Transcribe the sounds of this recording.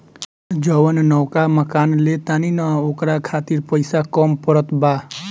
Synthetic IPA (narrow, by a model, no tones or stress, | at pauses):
d͡ʒəwənnɔwkaməkanlet̪aninaokɾakʰat̪iɾpəɪsakɔmpəɾət̪ba